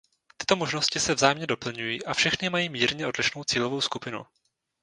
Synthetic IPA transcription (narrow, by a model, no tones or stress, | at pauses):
t̪ɪ̥t̪o̞mo̞ʒnoscɪsɛvzaːjɛmɲɛdo̞pl̩ɲujiːʔafʃɛxnɪmajiːmiːɾɲɛʔo̞dlɪʃno̞wt͡siːlovo̞wskupɪnṵ